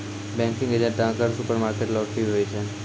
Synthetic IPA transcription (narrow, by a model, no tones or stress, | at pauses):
bɛ̃ŋkɪ̃ŋɡed͡ʒə̃ʈãkəɾsupəɾmaɾkeʈlɔʈiɦoit͡ʃʰe